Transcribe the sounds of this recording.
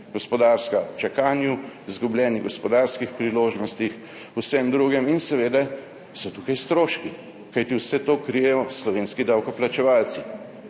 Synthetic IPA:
ɡ̥ɔspɔd̪aːɾskat͡ʃakaːnjuzɡublʲɛːniɡɔspɔd̪aɾskixpɾiloːʒnɔst̪ix | usɛmd̪ɾuːɡɛminsɛʋeːd̪a | sɔt̪uːkajst̪ɾoːʃki | kajt̪iwsɛt̪oːkɾijɛjɔslɔʋeːnskid̪awkɔplat͡ʃɛʋaːlsi̥

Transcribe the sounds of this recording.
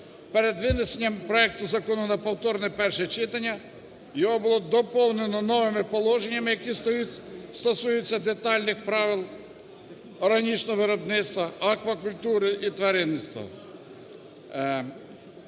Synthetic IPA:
peɾed̪ʋɪnesenʲːɐmpɾɔɛk̚t̪ʊzɐkɔnʊnɐpɔwt̪ɔɾnɛpɛrʃɛt͡ʃɪt̪ɐnʲːɐ | jɔɦɔbʊlˠɔd̪ɔpɔwnenɔnɔʋɪmɪpɔlˠɔʒenʲːɐmɪjɐki | st̪ɔsujɪt͡sʲːɐd̪et̪ɑlʲnɪxpɾɑʋɪlˠ | ɔɾɦɐnʲit͡ʃnɔʋɪɾɔbnɪt̪st̪ʋɐɐkʋɐkʊlʲt̪uɾɪʔit̪ʋɐɾɪnːɪst̪ʋɐ̰

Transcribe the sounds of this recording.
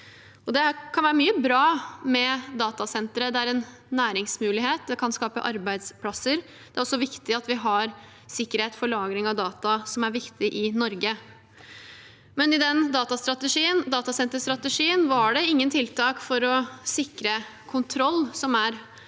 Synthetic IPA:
ɔd̪ɛkʰɑnʋæːɾəmyːəbɾɑːmɛd̪ɑːt̪ɑsɛnt̪ɾəd̪ɛæɾɛnː | æːɾɪŋsmʉːlɪɦeːt̪̚d̪ɛkʰɑnskɑːpə̰ʔɑɾbæɪd̪spʰlɑsəɾ | d̪̥ɛæɾɔsɔʋɪkt̪ɪɑt̪ʋɪɦɑɾ | sɪkːəɾheːt̪fɔɭɑːɡɾɪŋɑʋd̪ɑːt̪ɑsɔmæɾʋɪkt̪ɪʔɪnɔɾɡə | mɛnɪd̪ɛnd̪ɑːt̪ɑst̪ɾɑt̪əʂiːənd̪ɑːt̪ɑsɛnt̪əst̪ɾɑt̪əʂiːənʋɑɖɛɪŋːənt̪ʰɪlt̪ʰɑːkfɔɾɔsɪkɾəkʰʊnt̪ʰɾɔlːsɔmæɾ

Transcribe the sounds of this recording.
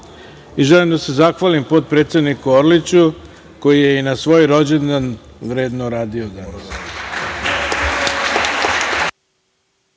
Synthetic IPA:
iʒelimd̪ase̞zaxʋalimpo̞t̪̚pɾe̞t̪sje̞d̪nikuoɾlit͡ɕu | ko̞jijeinasʋo̞ːjɾo̞d͡ʑend̪anʋɾe̞ːd̪noɾaːd̪iod̪anas

